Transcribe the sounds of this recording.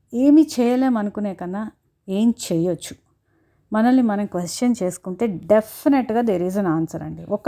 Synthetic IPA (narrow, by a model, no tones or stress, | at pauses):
eːmit͡ʃɛːjɐleːmɐnukuneːkɐnːa | eːmt͡ʃɛːjot͡ʃːu̥ | mɐnɐlːimɐnɐmkʋesʈt͡ʃɐnt͡ʃe̞ːsu̥kuɳʈe̞ːɖepʰːineʈɡaːd̪eɾiːd͡ʒɐnaːnsɐɾɐ̰ɳɖiʔɔkː